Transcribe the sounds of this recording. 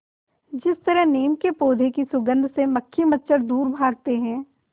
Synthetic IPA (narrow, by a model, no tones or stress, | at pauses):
d͡ʒɪst̪əɾəɦneːmkepoːd̪ʱekisʊɡə̃nd̪ʱseməkʰːimətːʃəɾd̪uːɾbʱaːɡ̚t̪eɦɛ̃ː